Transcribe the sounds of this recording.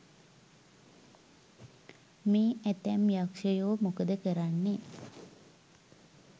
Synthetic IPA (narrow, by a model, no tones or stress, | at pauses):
miːæt̪æmjakʃəjoːmukəd̪əkəɾanːe